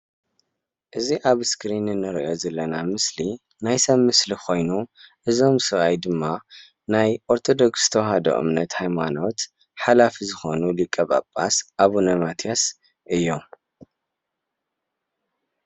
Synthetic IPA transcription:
ʔɨziʔaβskɾinɨnːɐɾʔo̞zɐlːɐnamɨsli | najsɐβːɨslikʰo̞jnuʔɨzo̞msɨβajd̪ɨmːa | najʔoɾt̪ʰo̞d̪o̞kst̪ʰɐwɦɐd̪o̰ʔɨ̰mnɐt̪hajmano̞t̪ | ħalafizɨxo̞nulɨkʼːɐβa̰pʼːa̰sʔaβunɐmat̪ʰias | ʔɨjːo

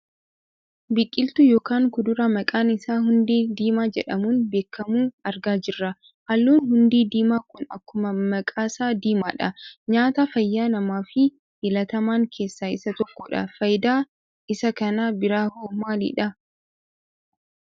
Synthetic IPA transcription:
bɪkʼːɪlt̪ʊjoːkaːŋkʊd̪ʊɾɐmɐkʼaːnɪsaːhʊnd̪iːd̪iːmaːd͡ʒɛᶑɐmuːnbe̞ːkːɐmuːɐɾɡaːd͡ʒɪrːɐ | hɐlːuːnhʊnd̪iːd̪iːmaːkʊnɐ̰kːʊmɐmɐkʼaːsaːd̪iːmaːᶑɐɲaːt̪afɐjːaːnɐmaːfɪ | hɪlɐt̪ɐmaːŋkʰe̞ːsːaːɪsɐt̪ɔkːɔᶑɐ̰fɐjd̪aː | ɪsɐkɐnabɪɾaːhoːmaːlḭːᶑɐ

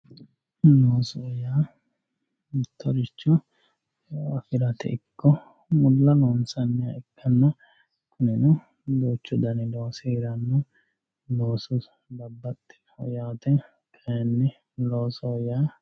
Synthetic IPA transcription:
noːsɔːjaː | mɪt̪ːɔɾɪt͡ʃːɔ | ɐfɪɾɐt̪ɛ̰ɪkːɔ | mʊlːɐnoːnsɐnːɪɐɪkʰːɐnːɐ | kʊnɪnʊ | d̪oːt͡ʃːɔd̪ɐnɪdosiːɾɐnːʊ | loːsʊ | d̪ɐbːɐt̪ːɪ̥hɔjaːt̪ɛ | kʰɐjɐnːɪ | loːsɔːjaː

